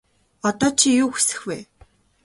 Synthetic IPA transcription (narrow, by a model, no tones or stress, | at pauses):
ɔt̪ɔːt͡ɕʰijuːxi̥sɘ̥̆xweː